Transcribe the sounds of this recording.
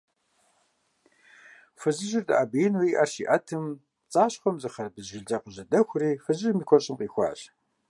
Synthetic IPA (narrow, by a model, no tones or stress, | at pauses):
fɨzɨʒɪrdɨʔaːbijɪnwiʔɐrʃiːʔɐtʰɨm | t͡sʼaːɕχʷɔmzɨχɐrbɨzʒɪɮd͡zʼɐqəʑɐdɐxʷʊriːfɨzɪmiːkʷʰɔrɕʼɪmqiːxʷɑ̰ːɕ